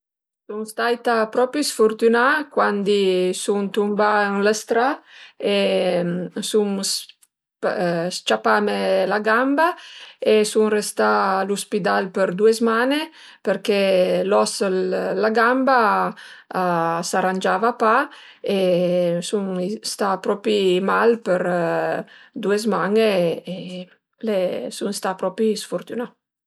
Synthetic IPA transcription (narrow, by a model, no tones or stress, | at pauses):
suŋst̪ajt̪apɾɔpjusfort̪ynakwand̪isuŋt̪umbaəŋləst̪ɾae | sums | st͡ʃapamelaɡambaesuŋrest̪aluspid̪alpəɾd̪uezmane | peɾkelɔslːaɡamba | asaɾand͡ʒavapa | esuŋst̪apɾɔpimalpeɾ | d̪uezmaŋee | lesuŋst̪apɾɔpɾisfoɾt̪una